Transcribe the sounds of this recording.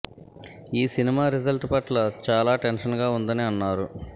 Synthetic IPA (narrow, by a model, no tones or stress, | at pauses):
iːsinimaːɾid͡ʒɐlʈpɐʈlɐt͡ʃaːlaːʈenʃɐnɡaːund̪ɐniɐnːaːɾu